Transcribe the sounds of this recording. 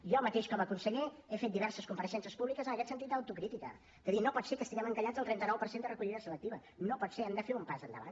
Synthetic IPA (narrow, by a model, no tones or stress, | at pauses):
ʒɔmət̪eʃkɔməkunsəʎɛefet̪̚d̪iβɛɾsəskumpəɾəʃɛns̬iəspuβlikəzənəkɛt̪sənt̪it̪d̪əwt̪ukɾit̪ikə̰ | d̪əðinopɔt̪sekəst̪iɣɛməŋkəʎadd͡zzəlˠt̪ɾɛnt̪ənɔwpəɾsend̪ərəkuʎiðəsələk̚t̪iβənopɔt̪seɛmd̪əfeumpazənd̪ə̰βa̰n